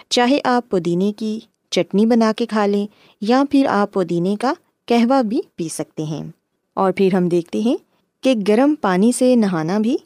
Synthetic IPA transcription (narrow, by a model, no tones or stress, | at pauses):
t͡ʃaːɦeʔaːpːoːd̪iːneki | t͡ʃɐʈnibɐnaːkekʰaːlẽ | japʰɪɾa̰ːpːoːd̪iːneka | kɛɦʋabʱipiːsɐk̚t̪eɦɛ̰̃ː | ɔːɾpʰɪɾɦɐ̃md̪eːk̚ʰt̪eɦɛ̃ | keɡɐɾəmpaːnisenɐɦaːnabʱiː